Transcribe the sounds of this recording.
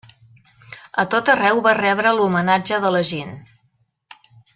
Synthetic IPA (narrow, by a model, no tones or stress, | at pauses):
ət̪ot̪ərɛwβarɛβɾəlumənad͡ʒəðələʒen